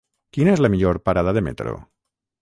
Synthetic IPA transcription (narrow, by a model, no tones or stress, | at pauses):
kinaezlamiʎoɾpaɾað̞aðemḛt̪ɾo̰